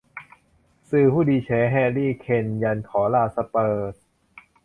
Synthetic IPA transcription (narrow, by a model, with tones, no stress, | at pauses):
sɯː˨˩hʰuː˥˩diː˧t͡ɕʰɛː˩˦ɦɛː˧liː˥˩kʰe˧˩nja˧nkʰɔː˩˦laː˧˩sa˧pɤː˨˩t̪̚